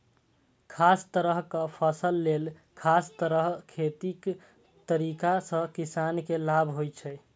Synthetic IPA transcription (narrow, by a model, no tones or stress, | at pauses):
kʰast̪əɾəɦkəpʰəsəlːel | kʰast̪əɾəɦkʰet̪ik | t̪əɾikasə̃kisankelabʱɦojt͡ʃʰɛ